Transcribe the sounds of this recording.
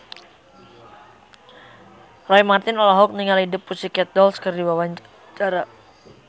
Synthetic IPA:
rɔimart̪ɪnɔlɔɦɔk̚niŋalidɪpːusikɛt̪̚dɔlskɨrdiwawaɲ | t͡ʃaɾa

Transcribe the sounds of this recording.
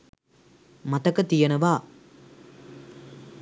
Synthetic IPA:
mat̪əkət̪ijənəʋaː

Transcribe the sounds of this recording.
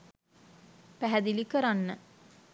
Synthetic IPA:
pæɦæd̪ilikəɾanːə

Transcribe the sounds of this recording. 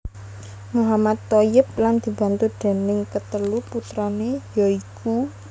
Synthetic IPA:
muɦamad̪ojɪp̚land̪̥i̤ba̤nt̪ud̪̥e̤nɪŋkət̪əluput̪ɾɔnejɔiku

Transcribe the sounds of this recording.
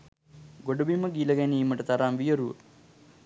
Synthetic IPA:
ɡoɖubiməɡiləɡæniːməʈət̪aɾaːmʋijəɾuʋə̰

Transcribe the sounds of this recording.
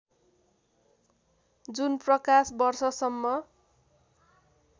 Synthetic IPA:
d͡zunprʌkasbʌrsʌsʌmːʌ

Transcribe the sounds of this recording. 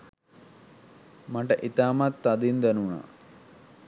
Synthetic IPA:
mɐʈɐʔit̪aːmat̪ːɐd̪ind̪ɐnuɳa̰

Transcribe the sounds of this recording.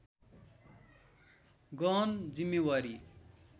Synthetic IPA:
ɡʌnd͡zimːewaɾi

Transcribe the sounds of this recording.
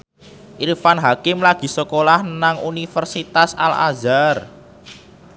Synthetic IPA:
ʔirfanɦakɪmlaɡ̥i̤səkolahnaŋunifərsit̪asa̰la̰zar

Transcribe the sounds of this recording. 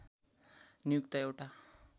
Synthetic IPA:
nijukt̪aewʈa

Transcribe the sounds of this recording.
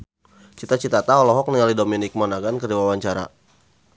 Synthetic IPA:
t͡ʃit̪at͡ʃit̪at̪aɔlɔɦɔk̚nialidominik̚mɔnaɡankərdiwawaɲt͡ʃaɾa̰

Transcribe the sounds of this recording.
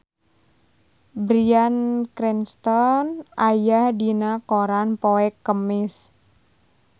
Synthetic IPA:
bɾiankɾɛnst̪ɔnʔajahdinakoɾanpoɛkːəmɪs

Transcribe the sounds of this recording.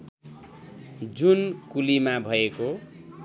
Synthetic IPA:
d͡zunkulimabʱʌeko

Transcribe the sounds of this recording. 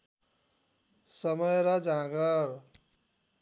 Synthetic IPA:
sʌmʌjɾʌd͡zãɡʌr

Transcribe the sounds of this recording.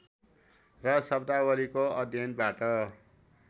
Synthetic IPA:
rʌsʌbd̪awʌlikoʌd̪ʱjʌnbaʈʌ

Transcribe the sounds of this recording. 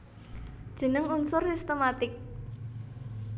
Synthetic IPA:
d̥ʒ̥ə̤nəŋunsʊrsist̪omat̪ɪk̚

